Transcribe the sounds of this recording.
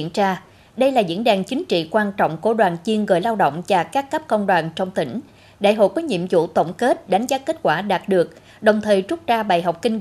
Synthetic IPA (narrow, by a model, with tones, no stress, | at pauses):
ənt͡ɕaː˧ | ɗə˧jlaː˨˩zḭ˧˥ənɗaː˨˩ŋt͡ɕï˨˦ŋ̟t͡ɕḭ˧˨kwaː˧nt͡ɕɔ̰˧˨wŋ͡mku˧˩əɗwaː˨˩nt͡ɕi˧ənɣəː˨˩jlaː˧wɗo̰˧˨wŋ͡mt͡ɕaː˧˩kaː˦˥kːə˦˥p̚kə̰˧wŋ͡mɗwaː˨˩nt͡ɕɔ˧wŋ͡mt̪ï˧˩ŋ̟ | ɗa̰ː˧˩jɦo̰˧˨jkɔː˨˦jɲḭ˧˨əmzṵ˧˥t̪ə̰˧˩wŋ͡mke˦˥t̚ɗa˨˦ŋ̟zaː˨˦ke˦˥t̚kwaː˧˩ɗaː˨˩t̚ɗɨ˨˩ək̚ | ɗə˨˩wŋ͡mt̪ʰəː˨˩jt͡ɕʊ˦˥t̚t͡ɕaː˧ɓaː˨˩jɦɔ˨˩wk͡p̚kï˧ŋ